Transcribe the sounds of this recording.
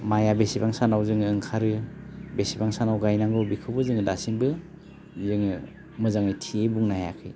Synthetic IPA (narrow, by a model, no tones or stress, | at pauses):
majabesibaŋsanawzɯŋɯŋkʰaɾɯbesibaŋsanawɡajnaŋɡɯwbikʰɯbɯzɯŋdasiŋbɯ | zɯŋ | mɯzaŋɯjtʰiebuŋnahaja̰kʰɯj